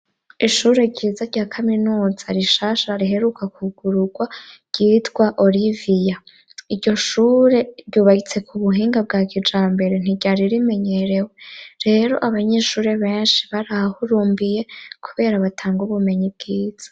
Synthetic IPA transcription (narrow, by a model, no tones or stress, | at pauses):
iʃuːɾe̞ɾɟiːzaɾɟaːkʰaminuːz̥aɾiʃaːʃaɾiɦe̞ɾukakuɡ̥uɾuɡwabɟ̥itɡwaʔo̞ɾivija | iɾɟo̞ʃuːɾe̞ɾɟuːβahit͡se̞kʰuβuɦiːŋɡab̚ɡaːkid͡ʒaːmbe̞ɾen̥iɟaɾiɾime̞ɲe̞ɾeweɾe̞ːɾo̞̰ʔaβaɲeʃuːɾe̞βe̞ːnʃi̥βaɾahuɾuːmbije̞kʰuβe̞ːɾaβatʰaːŋɡuβume̞ɲib̚ɡ̥iːz̥ḁ